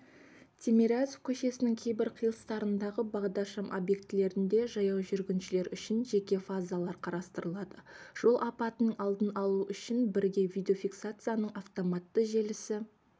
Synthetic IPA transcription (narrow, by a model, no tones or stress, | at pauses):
t̪ʲʰemʲeɾazofkʲʰɵʃe̞sɪnɪŋkʲʰe̞jbɪɾqʰijlˠəst̪ɑɾənd̪ɑʁəbɑʁd̪ɑɾʃɑmʔo̞̰bje̞k̚t̪ɪle̞ɾɪnd̪e̞ʒɑjɑwʒʏɾɡʲɪnʃɪle̞ɾʏʃɪnʒe̞kʲe̞fazalˠɑɾqʰɑɾɑst̪əɾəlˠɑd̪əʒ̥o̞lˠʔɑpɑt̪ənəɴɑlˠd̪ənɑlˠuʔʏʃɪnbɪɾɡʲe̞vijd̪ʲeofʲiksat̪sɨjanəɴɑft̪o̞mat̪ːəʒe̞lɪsɪ